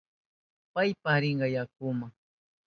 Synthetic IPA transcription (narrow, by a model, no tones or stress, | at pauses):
pajpahɾɪɴɢɑjak̚ʊmaŋ